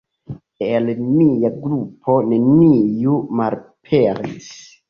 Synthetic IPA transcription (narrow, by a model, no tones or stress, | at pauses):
elnijaɡɾupʰo̞ne̞nijumalpʰeɾḭs